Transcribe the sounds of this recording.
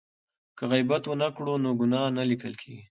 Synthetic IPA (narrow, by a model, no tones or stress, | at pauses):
kəɣajbat̪wənakɽonoɡʊnɑnalikəlkʰeɡi